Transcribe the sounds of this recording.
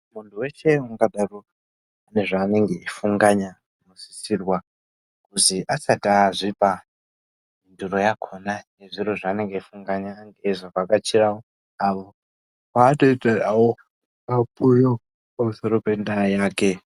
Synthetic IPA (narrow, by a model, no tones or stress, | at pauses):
muntʰuwe̞ʃe̞waŋɡaɗaro | ane̞ʐaːne̞ŋɡe̞ifuŋɡaɲa | musi̥sirwa | kuziʔasataʐipa | minduro̞jakʰo̞nane̞ʐiro̞ʐaːne̞ŋɡeifuŋɡaɲaŋɡeʐakakat͡ʃirawo | aʋo | watoitaawo | apujo | pamuso̞ɾo̞pe̞ndajaːke̞